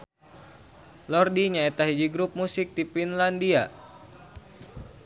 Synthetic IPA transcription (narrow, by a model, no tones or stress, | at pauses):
lɔrdiɲaet̪aɦid͡ʒiɡɾup̚musik̚t̪ipinlandia